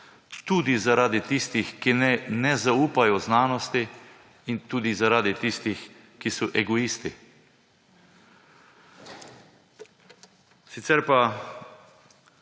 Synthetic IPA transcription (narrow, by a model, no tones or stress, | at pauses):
t̪uːd̪izaɾaːd̪it̪ist̪ixkinɛnɛzauːpajɔznaːnɔst̪i | int̪uːd̪izaɾaːd̪it̪ist̪ix | kisɔʔɛɡɔist̪i | sit̪sɛɾpa